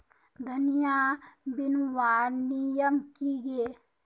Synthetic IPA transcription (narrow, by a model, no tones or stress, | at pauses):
d̪ʱənijaːbɪnwaːnijəmkiɡe